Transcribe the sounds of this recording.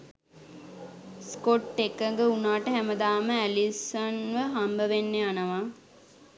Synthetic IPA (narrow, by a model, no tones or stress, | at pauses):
skoʈːekəŋɡəunaːʈəɦæməd̪aːməælisɐnʋəɦambəʋenːeanəʋa